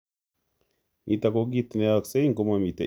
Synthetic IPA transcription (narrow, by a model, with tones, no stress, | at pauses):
mʔi˨ta˨ko˦ɡi˦t̪ne˦a˨kse˦i˦ŋko˦ma˨mi˨ta˨